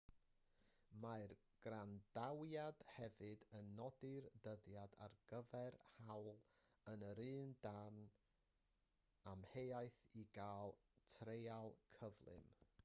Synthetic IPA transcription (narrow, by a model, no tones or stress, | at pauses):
maɨr | ɡ̥randawjad̥hɛvɨdənːɔdɪrdəðjada̰rɡ̥əvɛrhawlˠ | ənəɾɨːndan | amhejajθiɡaːlˠtʰrejalˠkʰəvlˠɨ̰m